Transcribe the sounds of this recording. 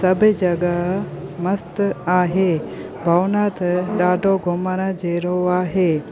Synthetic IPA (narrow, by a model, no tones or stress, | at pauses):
sɐbʱəd͡ʒɐɡamɐst̪aːɦe | bʱɐwnaːt̪ʰɗaːɖʱoɡomaɾad͡ʒeːɾoaːɦeː